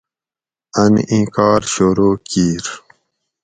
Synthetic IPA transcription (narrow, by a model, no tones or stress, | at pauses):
ɐnḭʔĩːkɑːɾɕoɾoːkiːɾ